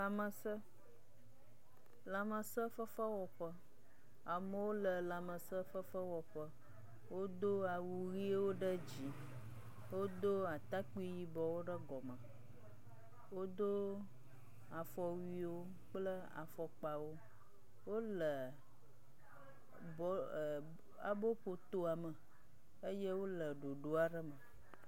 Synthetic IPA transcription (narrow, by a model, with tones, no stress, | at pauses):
la˨mə˨sə˦ | la˨mə˨sə˦fə˦fə˦wɔ˨ɸə˦ | a˨mə˦wo˦lə˨la˨mə˨sə˦fə˦fə˦wɔ˨ɸə˦ | wo˦d̪o˦a˨wu˨ɣi˦e˦wo˦ɖə˦d͡ʑi˨ | wo˦d̪o˦a˨t̪a˦k͡pi˦ji˦bɔ˨wo˦ɖə˦ɡɔ˨mə˨ | wo˦d̪o˦ | a˨fɔ˨wi˦wo˦ | k͡plə˦ | a̰˨fɔ˨k͡pa˨wo˦ | wo˦lə˨ | bɔ˦ | a̰˨bo˦ɸo˨t̪o˦a˨mə˨ | ə˦jɛ˦wo˦lə˨ɖo˨ɖo˨˦a˨ɖə˦mə˨